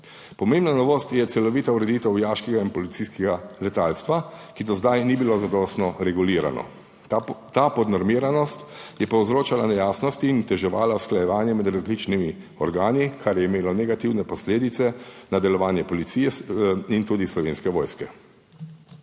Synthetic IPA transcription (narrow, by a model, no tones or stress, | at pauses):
pɔmembnanɔʋoːst̪jɛt̪sɛlɔʋiːt̪auɾɛd̪iːt̪ɛwjaːʃkɛɡainpɔlit̪siskɛɡalɛt̪aːlst̪ʋakid̪ɔzd̪ajnibilozad̪ɔst̪nɔɾɛɡuliːɾa̰nɔ̰ | t̪aːpɔd̪nɔɾmiːɾanɔst̪jɛpɔwzɾoːt͡ʃalanɛjaːsnɔst̪iːnt̪ɛʒɛʋaːlausklajɛʋaːnjɛmɛd̪ɾazlit͡ʃnimi | ɔɾɡaːnikʰaɾjɛimeːlɔnɛɡat̪iwnɛpɔsleːd̪it̪sɛnad̪ɛlɔʋaːnjɛpɔlit̪siːjɛint̪uːd̪islɔʋeːnskɛʋɔːjskɛ